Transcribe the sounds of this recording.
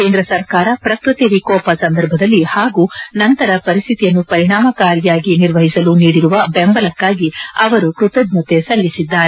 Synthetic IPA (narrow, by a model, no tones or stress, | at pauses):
ke̞ːnd̪ɾɐsɐɾkaːɾɐpɾɐkɾut̪iʋikɔːpɐsɐnd̪ɐɾbʱɐd̪ɐlːihaːɡuːnɐnt̪ɐɾɐpɐɾist̪ʰit̪ijɐnːupɐɾiɳaːmɐkaːɾjaːɡiniɾʋɐɦisɐluniːɽiɾuʋɐbɛmbɐlɐkːaːɡiɐʋɐɾukɾut̪ɐd̪ɲut̪esɐlːisid̪ːaːɾe